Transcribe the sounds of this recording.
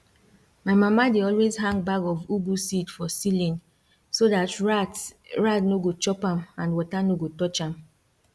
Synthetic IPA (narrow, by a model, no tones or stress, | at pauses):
maɪmamadeɔlwezɦãŋbakɔvubusitfɔsilĩn | sodat | ɹatnoɡot͡ʃɔpamãnwɔtanoɡotɔt͡ʃãm